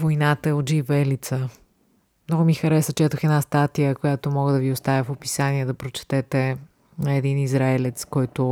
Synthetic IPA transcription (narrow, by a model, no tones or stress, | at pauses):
vojnat̪əɛod̪d͡ʒivɛlit̪sə | mnɔɡʊmixɐɾɛsət͡ʃɛt̪əxɛd̪nast̪at̪ijəkojat̪omɔɡəd̪ɐviost̪avʲəfopi̥saniɛd̪ɐpɾot͡ʃɛ̥t̪ɛt̪ɛ | nɐɛd̪inizɾaɛlɛt̪skɔjt̪ʊ